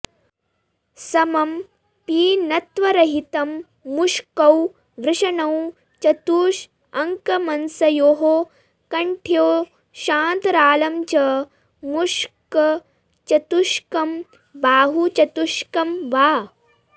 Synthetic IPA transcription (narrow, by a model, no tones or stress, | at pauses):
sɐmɐm | piːnɐt̪ʋɐɾɐɦit̪ɐmː | uʂkɐw | ʋɾɪʂɐnɐw | t͡ʃɐt̪uːʃ | ɐŋkɐmɐnsɐjoːɦo | kɐɳʈʰjoː | ʃaːnt̪ɐɾaːlɐmt͡ʃɐ | muʂkɐ | t͡ʃɐt̪uʃkɐm | baːɦut͡ʃɐt̪uʂkɐmʋaː